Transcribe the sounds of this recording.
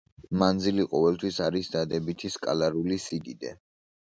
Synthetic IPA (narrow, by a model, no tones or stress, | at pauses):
mand̪ziliqʼɔvɛlˠt̪ʰwisaɾisd̪ad̪ɛbit̪ʰiskʼa̰laɾulisid̪id̪ɛ̰